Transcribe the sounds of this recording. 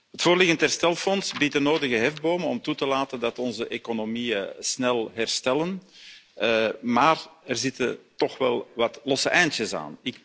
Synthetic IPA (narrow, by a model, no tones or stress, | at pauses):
ɦətfoːrlɪɣəntɦɛrstɛlˠfɔnsbit̚dənoːdəɣəɦɛvboːmənɔmtutəlaːtəndɑtɔnzəʔeːkonomiəsnɛlˠɦɛrstɛlən | maːrɛrzɪtətɔxʋɛlˠʋɑtlɔsəʔɛjntəsa̰ːnɪk